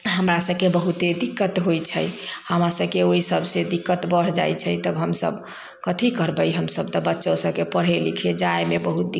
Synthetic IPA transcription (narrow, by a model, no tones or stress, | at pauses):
ɦəmɾasəbkebəɦut̪ed̪ikːət̪ɦojt͡ʃʰəjhəmasəbkeoisəbsẽd̪ikːət̪bəɽ̤d͡ʒa̰jt͡ʃʰəjt̪əbɦəmsə̰b | kət̪ʰikəɾbəjɦəmsəb̚t̪əbətːʃõsəbkepəɽ̤ɦelikʰed͡ʒaemebəɦut̪̚d̪i